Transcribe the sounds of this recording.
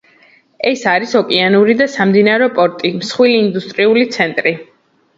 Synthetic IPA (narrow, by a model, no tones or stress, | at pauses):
ɛsaɾisɔkʼianuɾid̪asamd̪inaɾɔpʼɔɾt̪ʼimsχwiliːnd̪ust̪ʼɾiulit̪sʰɛnt̪ʼɾi